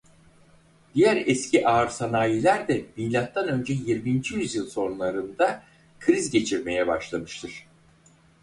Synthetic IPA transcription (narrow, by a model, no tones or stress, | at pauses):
d̪ijæɾɛscʰiʔaːɾsanaːjilʲæɾd̪ɛbilʲat̪ːanø̞nd͡ʒɛjiɾmind͡ʒijyzjɯlˠso̞nlˠaɾɯnd̪a | kʰɾizɟe̞t͡ʃʰiɾme̞jɛbaʃlˠamɯʃt̪ʰɯɾ̥